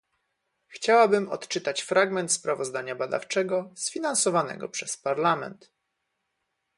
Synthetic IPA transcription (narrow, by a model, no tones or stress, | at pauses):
xt͡ɕawabɘmɔ̰t̪t͡ʂɘt̪at͡ɕfɾʔaɡmɛnt̪spɾavɔzd̪aɲabad̪a̰ft͡ʂɛɡɔsfʲinansɔvanɛ̰ɡɔ̰pʂɛspaɾlamɛ̰nt̪